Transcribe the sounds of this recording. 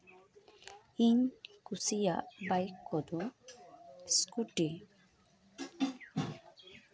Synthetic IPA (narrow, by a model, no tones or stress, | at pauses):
iɲkusija̰ʔbajkʰːɔd̪ɔ | skuʈi